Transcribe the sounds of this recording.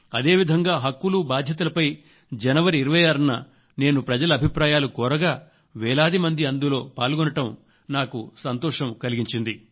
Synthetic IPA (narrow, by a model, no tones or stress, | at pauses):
ɐd̪e̞ːʋid̪ʱɐŋɡaːɦɐkːulubaːd̪ʱjɐt̪̬ulɐpɐj | d͡ʒɛnɐʋɐɾiːɾɐʋɐjaːɾɐnːɐ | ne̞ːnupɾɐd͡ʒɐlɐɐbʱipɾaːjaːlukɔːɾɐɡaː | ʋɛːlaːd̪imɐnd̪iɐnd̪ulo̞ːpaːlɡɔnɐʈɐm | naːkusɐnt̪ɔːʂɐmkɐliɡiɲt͡ʃind̪i